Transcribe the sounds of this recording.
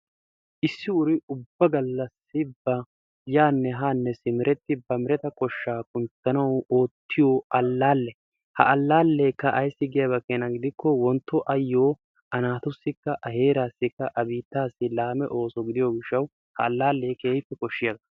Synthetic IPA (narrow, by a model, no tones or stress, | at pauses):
ʔɪsːɪʊɾɪʊbːɐɡɐlːɐsːɪbːɐ | jaːnːɛɦaːnːɛsɪmɪɾɛt̪ːɪbɐmɪɾɛt̪ɐkɔʃːaːkʊnt͡sːɐnɐwoːt̪ːɪjoːʔɐlːaːlːɛ | hɐ̰ʔɐlːaːlːeːkːɐʔɐjsːɪɡɪjɐbɐkeːnɐɡɪd̪ɪkːɔwɔnt̪ːɔʔɐjːo̞ː | ʔɐnaːt̪ʊsːɪkːɐʔɐɦe̞ːɾaːsːɪkːɐʔɐbiːt̪ːaːsːɪlaːmɛʔo̞ːsɔɡɪd̪ɪjoɡɪʃːɐw | hɐ̰ːlːaːlːeːkeːjpːɛkɔʃːɪjɐɡɐɐ